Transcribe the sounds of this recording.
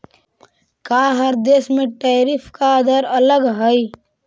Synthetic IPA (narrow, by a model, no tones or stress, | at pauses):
kaɦəɾd̪eːsmẽʈeːɾipʰkad̪əɾələɡɦəi